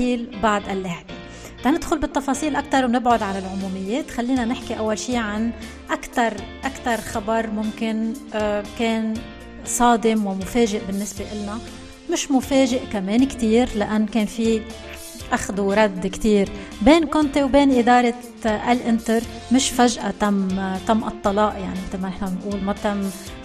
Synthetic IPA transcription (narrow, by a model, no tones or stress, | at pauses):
iːlbaʕd̪ʔalːaʕbe | t̪anɪd̪xʊlbɪt̪ˤːɑfɑːsˤiːlʔak̚t̪ɑɾˤwnɪbʕʊd̪ʕanɪlʕʊmuːmɪjːeːt̪xalːiːnanɪħkiʔawːalʃiːʕan | ʔakt̪ɑɾˤʔakt̪ɑɾˤxabɑɾˤmʊmkɪn | keːn | sˤɑːd̪ɪmwɪmʊfeːʒɪʔbɪnːɪsbeʔɪlna | mɪʃmʊfeːʒɪʔkameːnkt̪iːɾlaʔanːkeːnfi | ʔaxd̪uɾˤɑd̪ːkt̪iːɾbeːnkʊnt̪ewbeːnʔɪd̪ɑːɾˤɑ | ʔalʔɪnt̪ɪɾ | mɪʃfaʒʔat̪amt̪amːʔɨt̪ˤːɑlɑːʔjaʕnimɪt̪lmanɪħnamɪnʔuːlmat̪amː